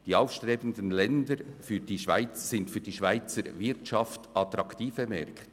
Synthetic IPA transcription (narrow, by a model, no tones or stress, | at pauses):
d̥iːɑʊfʃtɾeːbən̩dənlɛndəɾfyːɾdiːʃva̰ɪt͡ssɪntfyːd̥iːʃvaɪt͡səɾvɪɾtʃɑftɑt̪ɾɑktiːfəmɛ̰ɾkʰt